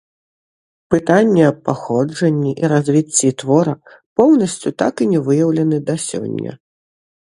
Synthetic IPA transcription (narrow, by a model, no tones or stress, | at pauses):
pɨt̪anʲːɛɐpːaxɔd͡ʐɐnʲːiʔiɾazʲvʲit͡sʲːit̪vɔɾɐ | pɔwnɐsʲt͡sʲut̪akinʲɛvɨjɐwlʲɐnɨd̪asʲɔ̰nʲːɐ̰